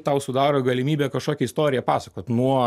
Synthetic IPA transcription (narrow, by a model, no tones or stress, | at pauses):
t̪ɐʊsʊd̪ɑːɾoːɡɐlʲɪmʲiːbʲeːkɐʃkoːkʲɛɪst̪oːɾʲɪjɛpɑːsɐkoːt̪nuɔ